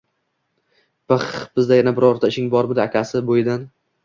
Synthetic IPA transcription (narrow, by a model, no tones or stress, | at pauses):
bɨχb̥ɪzd̪ajanabɪɾɒɾt̪ʰaɪʃɪŋbɒɾmɪd̪ɪakʲasɪbojɪd̪an